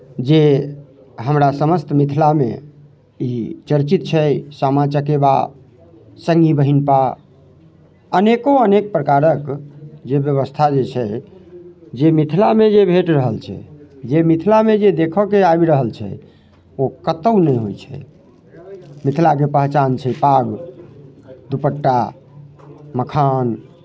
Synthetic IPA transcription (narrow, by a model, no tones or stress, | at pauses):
d͡ʒe | ɦəmɾasəməst̪mit̪ʰilamḛ | it͡ʃəɾt͡ʃit̪̚t͡ʃʰɛsamat͡ʃəkeba̰ | səŋɡibəɦinpa | ənekoənek̚pɾəkaɾəkd͡ʒebjəβəst̪ʰad͡ʒet͡ʃʰɛ | d͡ʒemit̪ʰilamed͡ʒebʱeʈɾəɦəlt͡ʃʰɛ̰d͡ʒemit̪ʰilamed͡ʒed̪ekʰɔkeabɾəɦəlt͡ʃʰɛ̰ | okət̪əʊnəjɦojt͡ʃʰɛ̰ | mit̪ʰlak̬epəɦt͡ʃant͡ʃʰɛpaɡ | d̪upəʈːa | məkʰan